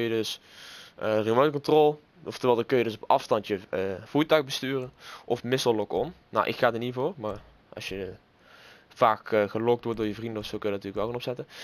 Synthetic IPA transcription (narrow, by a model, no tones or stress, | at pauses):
kəjədɵs | ərimowt̚kɔntrɔlˠ | ɔftərʋɛlˠdəkəjədɵsɔpɑ̰fstɑntjəv̥uːtœɥxbəstyːrənʔɔfmɪsɔllɔkɔnna̰wʔɪ̰kxaːdəɹnivoːrmaː | ʔɑ̰sjə | v̥aːkxəlɔk̚tʋɔɹt̚doːɹjəvrindəɔsowkøjədntyːlkʋɛlˠkanɔpsɛtə